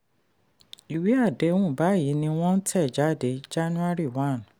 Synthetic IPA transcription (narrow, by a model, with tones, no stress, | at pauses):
i˨wi˨˦a˦˨de˨˦wũ˦˨ba˨˦˨ji˨˦nĩ˧w̃ɔ̃˦n̩˦tʰɛ˦˨d͡ʒa˨˦˨de˨˦d͡ʒa˦nũ˦a˦ɾi˦˨wã˦˨n